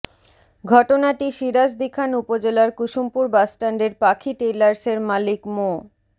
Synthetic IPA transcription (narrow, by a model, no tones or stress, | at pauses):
ɡʱɔʈonaʈiʃiɾas̬d̪ikʰanupod͡ʑelaɾkuʃumpuɾbasʈaɳɖeɾpakʰiʈelaɾseɾmalikmo